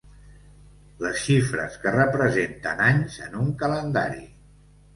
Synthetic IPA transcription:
ləsʃifɾə̰skərəpɾəzent̪ənaɲzənuŋkələnd̪a̰ɾḭ

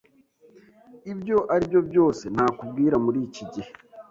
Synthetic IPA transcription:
ibjo̞ʔaɾibjo̞bjo̞ːse̞n̥haːkubɡiːɾamuɾiːciɟihe

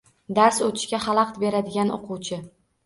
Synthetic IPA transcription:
d̪aɾsot̪ʰɪ̥ʃkʲaχɑlˠɑqt̪be̞ɾad̪ɪɡʲano̰qʰʊwt͡ʃʰɪ

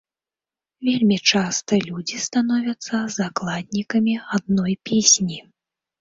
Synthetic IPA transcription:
vʲelʲmʲit͡ʂast̪ɐlʲud͡zʲist̪anɔvʲɐt̪sːɐzaklˠad̪̚ʲnʲikɐmʲiad̪̚nɔjpʲesʲnʲi

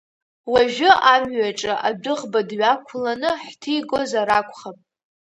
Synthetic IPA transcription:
waʒᶣʷʊʔamɥaʈ͡ʂʼaʔabɨʁbadɥakʷʰlanɨħtʰijɡo̞zaɾakʷʰʼχapʼ

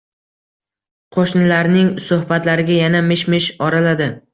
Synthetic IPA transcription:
qʰoʃnɪlaɾnɪŋsʊhbat̪laɾɪɡʲajanamɪʃmɪʃɒɾalad̪ɪ

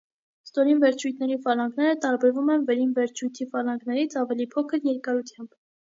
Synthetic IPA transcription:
st̪ɔɾinvɛɾt͡ʃʰujt̪ʰnɛɾifɑlɑŋɡnɛɾət̪ɑɾbɛɾvumɛnvɛɾinvɛɾt͡ʃʰujt̪ʰifɑlɑŋɡnɛɾit͡sʰɑvɛlipʰɔkʰəɾjɛɾkɑɾut̪ʰjɑmb̥

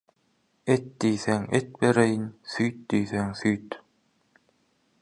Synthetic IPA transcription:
ɛt̪̚d̪iːθɛŋɛt̪̚bɛɾɛjinsθyːt̪̚d̪iːθɛŋθyːt̪

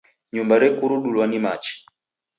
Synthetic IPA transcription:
ɲumbaɾɛkuɾuɗulwanimat͡ʃi̥

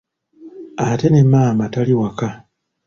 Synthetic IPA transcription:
ate̞nemːaːmataliwaka

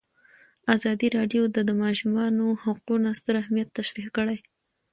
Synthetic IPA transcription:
azɑd̪iɾɑɖjod̪ad̪əmɑʃumɑnohaqunast̪əɾahmijat̪ːaʃɾikəɽaj

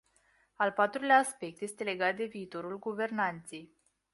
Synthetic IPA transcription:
alpat̪ɾuleaːspe̞k̚t̪je̞st̪e̞le̞ɡat̪̚d̪e̞viːt̪o̞ɾulɡuve̞rnant̪se̞j

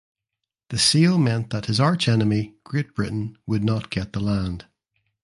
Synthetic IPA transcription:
ðəsilˠmɛ̃nðəʔhɪzaɹt͡ʃɛnəmiɡ̥ɹeʔ̚b̥ɹɪʔn̩wədⁿnəʔɡ̥ɛʔ̪̚ðəlˠãnd̥

